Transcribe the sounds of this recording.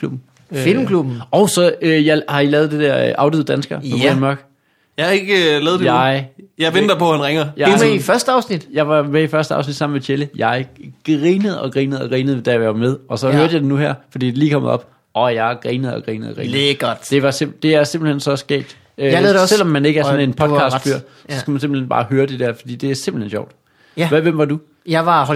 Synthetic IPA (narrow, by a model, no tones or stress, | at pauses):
lub̥n̩ | fil̰m̩kʰlub̥n̩ɒʊsɒ̽øjɑɪhɑ̈ilɛːðˠd̥e̝d̥æɐ̰ʔɑ̈ʊdiðˠd̥ænsɡ̥ɐpɒ̥̽ænmɑɡ̥ | jɑɪɑeɡ̥əlɛːð̩ˠdejɑɪjɑ̈ɪʋend̥ɐpʰɒ̽hænʁaŋɐjɑemeifɶɐsd̥əɑ̈ʊsnid̥jɑ̈ɪʋɑ̈meifɶɐsd̥əɑ̈ʊsnid̥sɑ̈m̰n̩met͡ɕʰeləjɑ̈ɪɡ̥ʁiːnəð̩ˠɒ̽ɡ̥ʁiːnəð̩ˠɒɡ̥ʁiːnəð̞̩ˠʋed̥æɐʋʋɑ̈með̞ˠɒ̽sɒ̽høɐd̥əjɑ̈ɪde̝nuhæɐ̰fɒd̥ḭːd̥e̝liːkʰɒ̽m̰ɐ̰ɒ̽b̥ | ɒ̽jɑ̈ɪɡ̥ʁiːnəð̩ˠɒ̽ɡ̥ʁḭːnəð̩ˠɒɡ̥ʁḭːeɡ̥ɔd̥d̥e̝ʋɑ̈semd̥e̝æɐse̝mb̥l̩hensɒ̽sɡ̥ɛ̰ːb̥̚d̥ | øsel̰ɒ̽mːæne̝ɡ̥əæɐsɔne̝npʰɒ̽d̥kʰɑ̈sd̥fyɐ̰ | ɒ̽sɡ̥æmænse̝mbl̩henb̥ɑ̈ːɦøːɐd̥e̝d̥æɐ̰fɒd̥ḭːd̥e̝æɐse̝mb̥l̩henɕɒ̰ʊ̰d̥ | ʋæʋem̰ʋɑ̈d̥u | jɑʋɑ